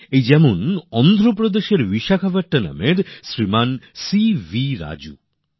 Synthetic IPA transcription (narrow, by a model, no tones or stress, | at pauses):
ejd͡ʑɛmonɔnd̪ʱɾop̬ɾod̪eʃeɾviʃakʰabaʈʈana̰meɾsɾimansiviɾa̰d͡ʑṵ